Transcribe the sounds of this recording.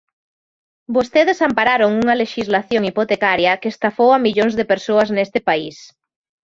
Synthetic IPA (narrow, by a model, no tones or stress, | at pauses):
bost̪eðesampaɾaɾoŋuŋɐleʃizlaθjoŋipot̪ekaɾjɐkest̪afowamiʎoŋzðepeɾsoaznest̪ɪpais